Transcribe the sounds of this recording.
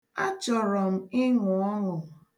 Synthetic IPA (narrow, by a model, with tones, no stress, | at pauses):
a˦t͡ʃɔ˨ɾɔ˨m̩˦ɪ˦ŋʊ˨ɔ˦ɦʊ˨